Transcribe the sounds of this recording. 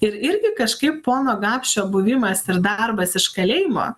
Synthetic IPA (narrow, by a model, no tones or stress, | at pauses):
ɪɾɪɾʲɡʲɪkɐʃkɐɪppoːnoːɡɑːpʲʃʲt͡ʃʲoːbʊʋʲɪmɐsɪɾd̪ɐɾbɐsɪʃkɐlʲɛːɪjɪmo̰ː